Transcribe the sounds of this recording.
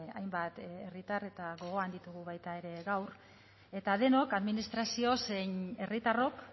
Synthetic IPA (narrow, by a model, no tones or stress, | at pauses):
a̰jmbat̪erit̪are̞t̪aɣo̞ɣ̞o̞and̪it̪uɣ̞uβajt̪ae̞ɾe̞ɣawɾ | e̞t̪aðe̞no̞kaðminist̪ɾasio̞sene̞rit̪aro̞k